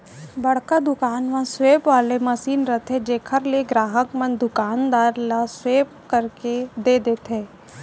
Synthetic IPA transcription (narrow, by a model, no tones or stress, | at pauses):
bɐɽ̤kad̪ʊkaːnʋãsʋeːpʋaːlemɐsiːnɾət̪ʰed͡ʒeːkʰəɾleɡɾaːɦəkmə̃nd̪ʊkaːnd̪aːɾlasweːp | kɐɾked̪eːd̪eːt̪ɦeː